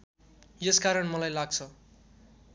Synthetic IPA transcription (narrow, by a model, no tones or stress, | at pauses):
jʌskaɾʌɳmʌlajlaɡ̚t͡sʰʌ